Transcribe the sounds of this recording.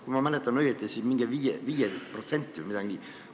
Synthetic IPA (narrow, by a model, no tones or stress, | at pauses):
kumɑmælet̪ːˑɑnːøjet̪ːˑesimiŋɡ̥eviːjeviːjeprot̪se̞nʲt̪ʲːˑiʋə̰mid̥̪ɑɡinʲi